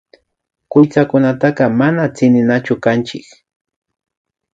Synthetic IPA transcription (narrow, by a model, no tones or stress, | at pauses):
kʊjt͡sakʊnat̪ɑqɑmanat͡sɪnɪnat͡ʃʊkant͡ʃɪk